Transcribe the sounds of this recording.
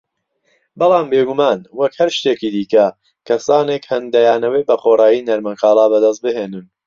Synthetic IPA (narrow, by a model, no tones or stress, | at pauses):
bɑlˠaːmbeːɡumaːnwɐkhɐɾʃt̪eːkiːd̪iːkɐ | kʰɐsaːnekhɐnd̪ɐjaːnɐwebɐxorˤaːjiːnɐɾmɐŋkɑːlˠaːbɐd̪ɐs̬t̪̚bɨɦeːnɨn